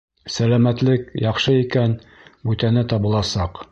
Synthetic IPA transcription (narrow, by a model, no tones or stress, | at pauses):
sælæmæt̪lɘkjɑχʃɤikæn | bʉt̪ænɘt̪ɑβɤ̆lˠɑsɑq